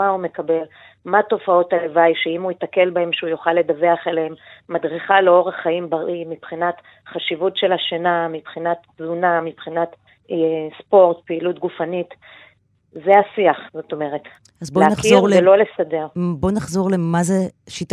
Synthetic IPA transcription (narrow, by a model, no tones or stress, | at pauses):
maume̞kabe̞l | mato̞fao̞talevajʃeimuit̪ake̞lbahe̞mʃeujoχalːe̞daveaχelehemːadʁiχaleo̞ʁaχːaimbaʁimipχinat | χaʃivutʃe̞laʃenamipχinat | zunamipχinat | spo̞ʁtpeilutɡufanit | zeasiaχzo̞to̞me̞ʁet | azbonaχzoʁlelo̞lesade̞ʁbo̞naχzo̞ʁlemaze | ʃita